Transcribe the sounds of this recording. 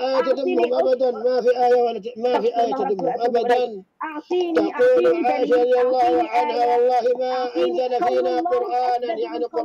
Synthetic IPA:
ʔaːjat̪ad̪ɪmːʊmʔabad̪anmafiːʔaːjawantmafiːʔaːjat̪ad̪ɪmːʊmʔabad̪an | t̪aquːlʕaːʔɪʃaɾɾˤɑd̪jlˤːɑːhʔanhawɑlˤːɑːhɪmaːʔaŋkanafiːnaːqʊɾʔaːnanɪʔanaqʊ

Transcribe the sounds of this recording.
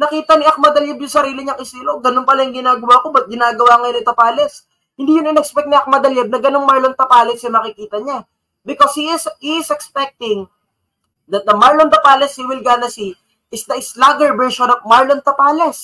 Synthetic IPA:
nɐkiːt̪ɐniʔɐk̚mɐd̪ɐljɛbjʊŋsɐɾiːlɪɲɐŋʔɪsiːloɡɐnonpɐlajʊŋɡɪnaːɡɐwaːko̞bɐt̪̚ɡɪnaːɡɐwaːŋɐjonɪt̪opaːlɛs | hɪnd̪iːjʊnɪnɛkspɛk̚t̪niʔɐk̚mɐd̪ɐljɛb̚nɐɡɐno̞ŋmaɹlont̪ɐpaːlɛsjʊnɐkɪkiːt̪ɐɲa | bɪkoshiɪshiɪsɛkspɛk̚t̪ɪŋ | d̪ɐt̪̚d̪ɐmaɹlont̪ɐpaːlɛshiːwɪlɡad̪ɐsi | ʔɪsd̪ɐʔɪslaɡɛɹbɛɹʃonov̚maɹlont̪ɐpaːlɛs

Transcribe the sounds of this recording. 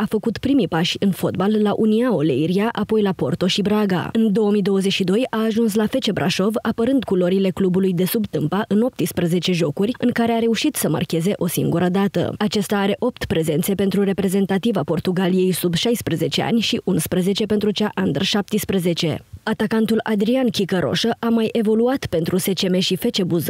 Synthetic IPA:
afəkut̪pɾimipaʃʲɨnfo̞t̪balːaʔuniaolḛiɾiaʔapo̞jlapo̞̰rt̪o̞ʃibɾaɡa̰ɨnd̪o̞wəmid̪o̞wəzeʃid̪o̞jaːʒuns̬lafe̞t͡ʃe̞bɾʔa̰ʃo̞vapəɾɨnd̪kulo̞ɾile̞klubulujd̪e̞subt̪ɨmpaʔɨno̞p̚t̪ispɾəze̞t͡ʃe̞ʒo̞kurʲɨŋkaɾe̞aɾe̞uʃit̪səma̰rkʲe̞ze̞ʔo̞siŋɡuɾəd̪at̪ə̰at͡ʃest̪aːɾe̞ʔo̞p̚t̪pɾe̞ze̞nt̪se̞pe̞nt̪ɾuɾe̞pɾe̞ze̞nt̪at̪ivapo̞rt̪uɡalije̞jsubʃajspɾəze̞t͡ʃe̞a̰nʲʃiʔʔunspɾəze̞t͡ʃe̞pe̞nt̪ɾut͡ʃaʔand̪rʃap̚t̪ispɾəze̞t͡ʃe̞̰at̪akant̪ulad̪ɾiankʲikəɾʔo̞̰ʃəʔamajʔe̞vo̞luat̪pe̞nt̪ɾuse̞t͡ʃe̞me̞ʃife̞t͡ʃe̞buz

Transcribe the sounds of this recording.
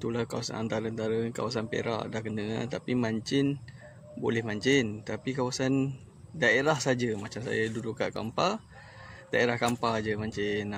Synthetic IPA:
t̪ulahkawasa̰na̰nt̪aɾəant̪aɾəka̰wasanpḛɾa̰ʔdahkənət̪apimaɲt͡ʃɪn | bo̰lɛhmaɲt͡ʃɪnt̪apikawasan | daeɾahsad͡ʒəmat͡ʃamsa̰jaduduʔka̰ʔka̰mpa | d̥aeɾahkampad͡ʒəmaɲt͡ʃɪn

